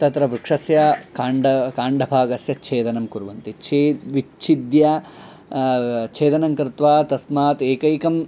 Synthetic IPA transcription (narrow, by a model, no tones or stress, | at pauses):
t̪ɐt̪ɾɐʋɾukʂɐsjɐkaːɳɖɐkaːɳɖɐbʱaːɡɐsjɐt͡ʃʰeːt̪ɐnɐmkuɾʋɐnt̪it͡ʃʰeːʋit͡ʃʰid̪jɐ | t͡ʃʰeːt̪ɐnɐŋkɾɪt̪ʋaːt̪ɐsmaːt̪eːkɐjkɐm